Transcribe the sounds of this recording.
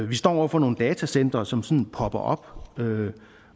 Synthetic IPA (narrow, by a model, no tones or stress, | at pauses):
ʋisd̥ɒ̰ːɒ̰fɒno̝ːn̩d̥ɛːt͡sʰæsen̰d̥ʁɐːsɒ̽msɒ̽nn̩pʰɒ̽b̥ɐʔɒ̽b̥ø